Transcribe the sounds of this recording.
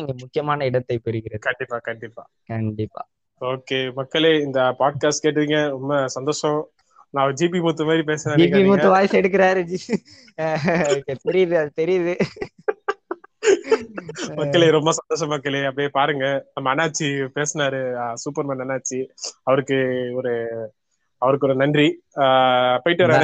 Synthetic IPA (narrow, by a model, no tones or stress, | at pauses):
ɪŋɡɐmʊkːɪjɐmaːnɐɪɽɐt̪ːɐɪpɛɾɯɣɪɾɐðɯkɐɳɖɪpːaːkɐɳɖɪpːa̰ː | kɐɳɖɪpːa̰ː | oːkemɐkːɐɭeːɪnd̪ɐpaːɖ̚kaːsʈkeːʈ̬ːɯðiːŋɡɐɾɔmːɐsɐnd̪oːʂɐ̃ | nãːʋd͡ʒiːp̬imuːt̪ːɯmaːd̪ɾip̬eːsɐnaːɾd͡ʒikːpimuːt̪ːɯʋaːjsɛɽɯkːɪɾaːɾɯd͡ʒi | kːet̪ɛɾɪjɐðɯɐðɯt̪ɛɾɪjɐðɯ | mɐkːɐɭeːɾɔmbɐsɐnd̪oːʂɐmːɐkːɐɭeːɐpːjeːpaːɾɯŋɡɐnɐmɐnːaːʈ̚t͡ʃːipeːsɐnaːɾɯsuːpɐɾmɐnɐnːaːt͡ʃːiɐʋɐɾɯkːɯɔɾɯ | ɐʋɐɾɯkːɯɔɾɯnɐndri | pɐɪʈːɯʋɐɾa